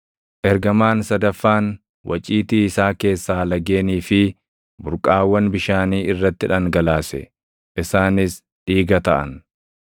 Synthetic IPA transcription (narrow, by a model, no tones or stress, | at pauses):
ʔɛɾɡɐmaːnsɐd̪ɐfːaːn | wʔɐ̰t͡ʃʼiːt̪iːɪsaːke̞ːsːaːlɐɡe̞ːniːfɪ | bʊɾkʼaːwːɐnbɪʃaːniːɪrːɐt̪ːɪᶑɐŋɡɐlaːsɛ̰ | ʔɪsaːnɪs | ᶑiːɡɐt̪ɐʔɐ̰n